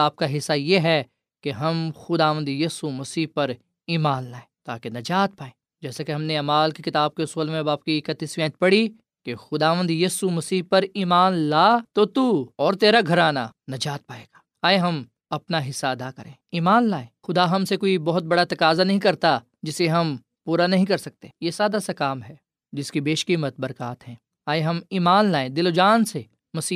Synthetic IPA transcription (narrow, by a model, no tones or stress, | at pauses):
aːp̚kaɦɪsːajeɦɛ | keɦɐmxʊd̪aːʋə̃nd̪jiːsumɐsiːpɐɾ | iːmaːnlaːẽːt̪a̰ːkenɐd͡ʒaːt̪̚paːẽː | d͡ʒɛːsakeɦɐmneaːmaːlkekɪt̪aːb̚keʊsuːlmẽɐbaːp̚kikət̪ːisʋɛ̃ːt̪pɐɽi | kexʊd̪aːʋə̃nd̪jiːsumɐsiːɦpɐɾiːmaːnlaːt̪ot̪uːɔːɾt̪eːɾaɡʱɐɾaːna̰nɐd͡ʒaːt̪̚paːeːɡ̥ḁː | aːeɦɐm | ɐpnaɦɪsːaɐd̪aːkɐɾḛ̃ːiːmaːnlaːẽːxʊd̪aɦɐmsekoːibɔɦʊt̪̚bɐɽat̪ɐkaːzanɐɦĩkɐɾt̪a | d͡ʒɪseɦɐm | puːɾanɐɦĩkɐɾsɐk̚t̪ejesjaːd̪asɐkaːmɦɛː | d͡ʒɪskibeːʃkimɐt̪̚bɐɾkaːt̪ɦɛ̃ː | aːeɦɐmiːmaːnlaːẽːd̪ɪlod͡ʒaːnse | mɐsiː